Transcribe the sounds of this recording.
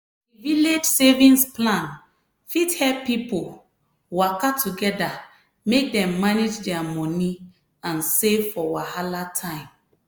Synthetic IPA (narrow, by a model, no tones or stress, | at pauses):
diviled͡ʒsevĩnsplãn | fithɛppːipol | wakatʰuɡɛda | mek̚dɛ̃mːaned͡ʒdɛamɔni | ãnsefɔwahalatʰãɪ̃m